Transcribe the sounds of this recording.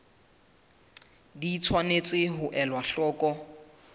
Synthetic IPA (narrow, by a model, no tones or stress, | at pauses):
diːt͡sʰwanet͡sʼɪɦʊʔɛlwaɬɔːkʼɔ